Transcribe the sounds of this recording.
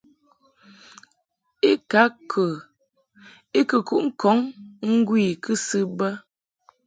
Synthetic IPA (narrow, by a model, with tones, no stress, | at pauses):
i˦ka˨˦kʰə˨ | i˦kə˨ku˦ʔŋ̩˦kɔ˨˦ŋŋ̩˦ɡwi˦˨kɨ˦sɨ˦bə˦